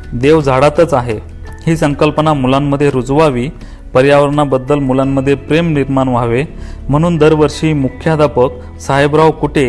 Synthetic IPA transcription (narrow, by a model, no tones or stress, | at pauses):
d̪eʋd͡zʱaɽat̪ət͡saɦe | hiːsəŋkəlpənamulamːəd̪ʱːjeɾud͡zʋaʋiː | pəɾjaʋəɾɳabəd̪ːəlmulamːəd̪ʱːjepɾemniɾmanʋaʋe | m̤əɽ̃uːnd̪əɾʋəɾʂiːmukʰjad̪apək | saɦebɾaʋkuʈʰe